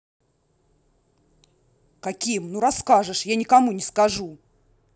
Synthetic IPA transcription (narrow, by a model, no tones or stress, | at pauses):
kɐkʲimnuɾɐskaʐɨʂjanʲɪkɐmunʲɪskɐʐu